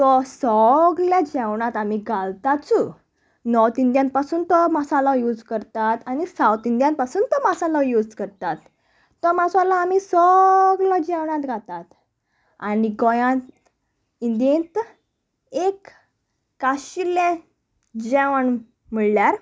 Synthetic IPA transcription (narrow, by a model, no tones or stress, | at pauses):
t̪ɔsɔɡljad͡ʑɛwɳat̪amiɡʱalt̪at͡su | nɔwt̪ind̪jãn̚pasuːnt̪ɔmasalɔjud͡zkəɾt̪at̪anisawt̪ind̪jãnpasuːnt̪ɔmasalɔjud͡zkəɾt̪at̪ː | ɔmasalaːmisɔɡlɔd͡ʑɛwɳãt̪ɡʱat̪at̪ | aniɡɔjãt̪ | ind̪ẽnt̪ | ekː | aɕilɛ̃ | d͡ʑɛʋəɳ | m̤əɭljaɾ